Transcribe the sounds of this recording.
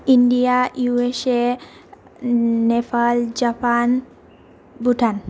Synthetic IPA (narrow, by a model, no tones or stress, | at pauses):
indijajuese | nɛfald͡ʒapʰan | buʈʰan